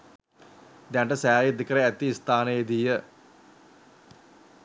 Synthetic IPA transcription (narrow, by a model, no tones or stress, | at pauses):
d̪jaɳʈəsæːjed̪iəkəɾəæt̪ːiːst̪aːnəjed̪iːjə